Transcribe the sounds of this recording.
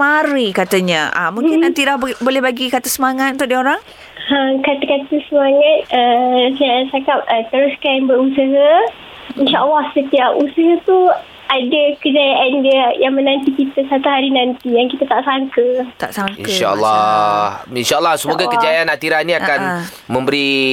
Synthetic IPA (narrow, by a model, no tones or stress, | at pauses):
maɾikat̪əɲəʔa̰mũŋkɪnnant̪idabolɛhbaɡikat̪əsəmaŋat̪̚nt̪ʊk̚dioɾaŋ | əmkat̪əkat̪əsəmaŋat̪̚əsaasakap̚ət̪əɾʊskanbəɾusəɦa | inʃaʔəlːahsət̪iap̚usəɦat̪u | adəkəd͡ʒajaʔandiəjaŋmənãnt̪ikit̪əsat̪uɦaɾinant̪ijaŋkit̪at̪aʔsaŋkət̪a̰ʔsaŋḭkʃalːa | inʃalːahsəmuɡakəd͡ʒajanat̪iɾahnĩakan | mə̃mbəɾi